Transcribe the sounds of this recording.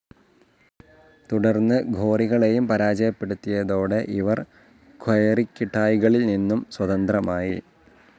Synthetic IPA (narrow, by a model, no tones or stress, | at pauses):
t̪uɽɐrnːɨɡʱo̞ːriɣɐɭe̞jumpɐɾaːd͡ʑɐjɐpːe̞ɽut̪ːijɐðo̞ːɽeʔiʋɐr | kʰojɐrikʲːiʈːaːjɣɐɭilninːumswɐðɐnd̪rɐmaːjḭ